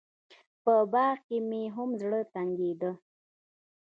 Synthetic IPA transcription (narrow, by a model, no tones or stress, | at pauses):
pəbɑɣkemeɦʊmzɽət̪aŋɡed̪ə